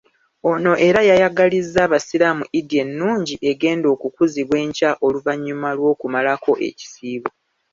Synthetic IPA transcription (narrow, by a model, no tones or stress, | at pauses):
o̞no̞ʔe̞ɾajajaɡalizːaβasilamuʔidienːuːɲɟiʔe̞ɡe̞ːndo̞ːkukuziβwe̞ːɲcaʔo̞luvaɲːumalwo̞ːkumalakʰo̞ʔe̞̰ci̥siːβo